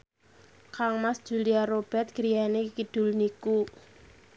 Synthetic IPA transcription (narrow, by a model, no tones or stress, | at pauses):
kaŋmasd̥ʒ̥ṳliaɾob̥ɛt̪̚ɡ̥əɾianekid̥ʊ̤lniku